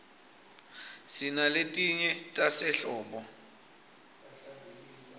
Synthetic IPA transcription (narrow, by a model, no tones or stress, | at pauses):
sinaletʼiɲɛtʼasɛɬɔːɓɔ